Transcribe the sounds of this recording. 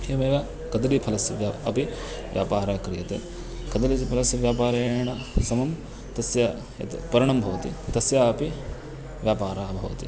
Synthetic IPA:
emeːʋaː | kɐd̪ɾipʰɐlɐsʋjaːɐpi | ʋjʔa̰ːpaːɾaːkɾijɐt̪ɐ | kɐd̪ɐɾit͡ʃipʰɐlɐsʋjaːpaːɾɐɳɐ | sɐmɐm | t̪ɐsja | ḛt̪pɐɾiɳ̃ɐmbʱɐʋɐt̪ḭt̪ɐsjaɐpi | ʋjaːpaːɾaːbʱɐʋɐt̪ḭ

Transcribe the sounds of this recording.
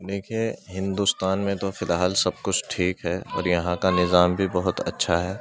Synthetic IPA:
d̪eːkʰieɦɪ̃nd̪uːst̪aːnmẽt̪ofɪlɦaːlsɐb̚kʊt͡ʃʰʈʰiːkɦɛːɔ̰ːɾjɐɦãkanɪzaːmbʱibɐɦʊt̪ɐ̰tːʃʰaɦɛː

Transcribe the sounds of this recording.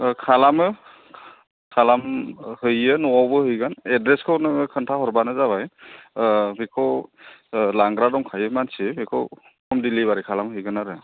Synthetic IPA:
kʰalamɯ | kʰalamhɯjənɔawbɯhɯjɡanɛdɹɛskʰɯwnɯkʰɯntʰahɔɹbanɯzabaj | bʱikʰɔw | laŋɡɾadɔŋkʰajɯmansibikʰɔw | kʰɔmdilibaɾikʰalamhɯjɡanaɾɯ

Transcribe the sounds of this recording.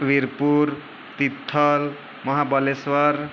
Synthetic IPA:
ʋiɾpuɾ | t̪it̪ʰːʌl | mʌɦabʌleswʌɾ

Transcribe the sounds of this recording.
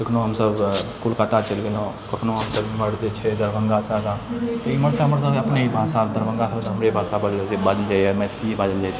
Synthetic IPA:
kəkʰnoɦəmsəbkulkat̪at͡ʃəlɡelõkəkʰnoɦəmsəbməɽd͡ʒet͡ʃʰɛd̪əɾbəŋɡasad̪ãt̪oiməɽt̪əɦəməɾs̬əbəpneɦibʱasad̪əɾbə̃ŋɡasʰəlt̪ɦəmɾebʱasabəɾebad͡ʒ̪əld͡ʒajmɛt̪t̪ibad͡ʒəld͡ʒajt͡ʃʰɛ

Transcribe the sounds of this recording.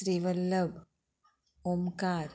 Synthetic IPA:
ɾiʋɐlːɐb | omkaːɾ

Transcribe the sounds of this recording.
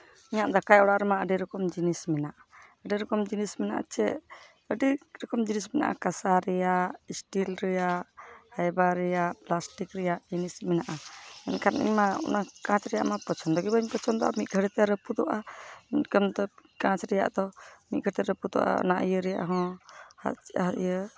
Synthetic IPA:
iɲaʔd̪akajɔɽaʔɾɛmaəɖiɾɔkɔmd͡ʒinismɛnaʔaəɖiɾɔkɔmd͡ʒinismɛnaʔa̰t͡ʃɛʔ | əɖiɾɔkɔmd͡ʒinismɛna̰ʔa̰kasaɾɛjaʔisʈilɾɛjaʔhajbaɾɛjaʔplasʈikɾɛjaʔd͡ʒinismɛnaʔaɛ̰nkʰaɾḭɲmaɔ̰nakãt͡ʃɾɛja̰ʔmapɔt͡ʃʰɔnd̪ɔɡɛbaiɲpət͡ʃʰɔnd̪ɔʔamit̪̚ɡʱəɽɛt̪ɛɾəpud̪ɔʔaikəmd̪ɔkãt͡ʃɾɛja̰ʔd̪ɔmit̪̚ɡʱəɾɛt̪ɛɾəpud̪ɔ̰ʔa̰naʔjəɾɛja̰ʔɦɔ̃ha̰ajə

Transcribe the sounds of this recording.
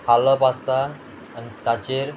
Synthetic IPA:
haləpast̪aː | nit̪at͡ɕeɾ

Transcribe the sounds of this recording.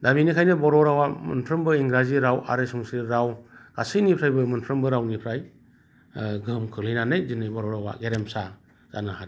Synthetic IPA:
daminikʰajnɯbɔɾɔɾawamɯ̰npʰɾɯmbɯiŋɡɾaziɾawʔa̰ɾesuŋsiɾawɡ̥asinipʰɾajbɯmɯntʰɾɯmbɯɾawnipʰɾaj | ɡɯmkʰɯlɯjnanɯjzinːɯjbɔɾɔɾawa̰ɡeɾemsa | z̥anahad

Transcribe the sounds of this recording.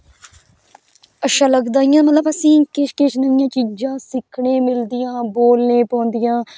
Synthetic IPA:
əʃãːləɡd̪aːijãːmət̪ləbəsĩːkɪʃkɪʃnəɪjãːt͡ʃiːd͡ʒãːsɪkʰɳeːmɪld̪ɪjãːboːlnẽːpɔ̃ːnd̪ɪjãː

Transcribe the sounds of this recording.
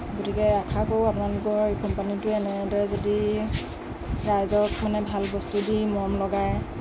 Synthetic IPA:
ɡotikɛakʰakowapʊnalukɔɹkɔmpanitʊɛnɛdɔɹɛzodi | ɹajzɔk̚manɛbʱalbɔstudimɔmlɔɡaj

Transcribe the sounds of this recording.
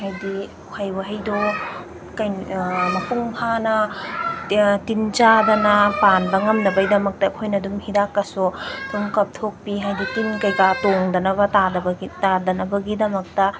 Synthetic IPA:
hajdi | kʰajbɐɦɐjdo | kɐjmɐpuŋpʰanɐ | tint͡ʃadɐnɐpanbɐŋɐmnɐbɐjdɐmɐk̚tɐːkʰojnɐdumhidakːɐsutʰuŋkɐp̚tʰok̚piɦajditinkɐjkatoŋdɐnɐβɐtadbtadɐnɐbɐɡidɐmɐk̚tɐ

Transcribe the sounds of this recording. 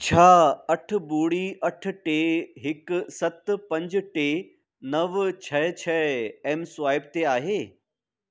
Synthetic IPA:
t͡ɕʰaːɐʈ̆ʰbuːɽiɐʈ̆ʰʈeːɦɪksɐt̪pɐ̃ɲd͡ʑʈeː | nɐʋt͡ɕʰɐt͡ɕʰɛɛːmsʊaːɪb̚t̪eaːɦeː

